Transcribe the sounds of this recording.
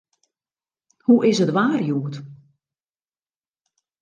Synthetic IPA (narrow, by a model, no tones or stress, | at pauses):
huʔɪsətʋaːrjuːət